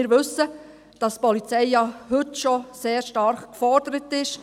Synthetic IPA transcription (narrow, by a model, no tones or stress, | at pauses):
ɪɾʋɵsə | d̥ɑstpɔlit͡sɛjjɑhʏtʃɔseːɾʃtɑɾχkfɔɾd̥əɾətɪʃ